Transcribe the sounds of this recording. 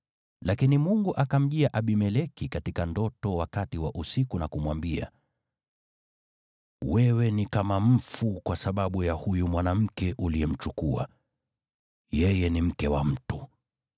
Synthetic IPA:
lakinimuŋɡuʔakam̩ʄiaʔaɓimɛlɛkikatikandɔtɔwakatiwaʔusikunakumwambia̰ | wɛwɛnikamam̩fukwasaɓaɓujahujumwanam̩kɛʔuliɛm̩t͡ʃukua̰ | jɛjɛnim̩kɛwam̩tu

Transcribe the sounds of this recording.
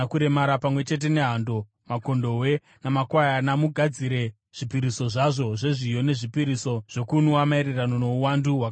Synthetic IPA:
kuɾe̞maɾapamwe̞t͡ʃe̞t̬e̞ne̞ɦando̞ | mako̞ndo̞we̞ | namakwajanamuɡʱad͡ziɾe̞ | ʐ̥ipiɾiso̞ʐaʐo̞ʐe̞ʐijo̞ne̞ʐipiɾiso̞ʐ̥o̞kunuwamaiɾerano̞no̞uwanduɦwak

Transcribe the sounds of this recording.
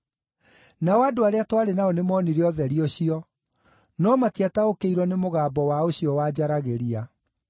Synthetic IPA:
naɔadoaɾeatwaɾenaɔnemɔniɾeɔðɛɾioɕiɔ | nɔmatiataokeiɾwɔnemoɣaːbɔwaoɕjɔwaːd͡ʑaɾaɣeɾia

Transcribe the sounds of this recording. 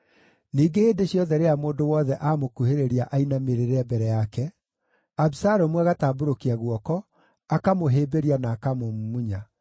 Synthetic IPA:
niːɡeeːndeɕjɔðɛɾeamoːndowɔːðɛʔaːmokuheɾeɾiaʔainameɾeɾɛbɛɾɛjakɛ | abisaɾomwɛaɣataːboɾokiaɣwɔkɔ | akamoɦeːbeɾianaːkamomumuɲa

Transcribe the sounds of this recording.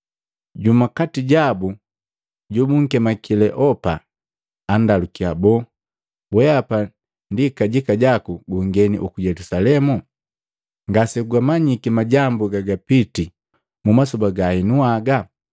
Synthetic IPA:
ɟumakatiɟabu | ɟubuŋ̩kɛmakilɛʔɔpaː | ndalukiabɔ | bwɛapa | ndikaɟikaɟakuɡuŋɡɛnḭʔukujɛlusalɛmu | ŋɡasɛkuɡamaɲikimaɟambuɡaɡapiti | mumasubaɡainuaɡa

